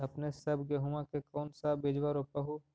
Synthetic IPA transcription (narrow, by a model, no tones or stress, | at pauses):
ɐpnesɐbɡeɦumãkekɔːnsabeːd͡ʒʋaɾopaɦu